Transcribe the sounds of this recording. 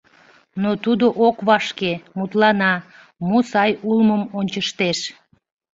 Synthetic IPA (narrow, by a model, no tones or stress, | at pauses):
not̪ud̪oʔokβɑʃkemut̪lɑnɑ | mosɑjulməmonʲt͡ɕəʃt̪eʃ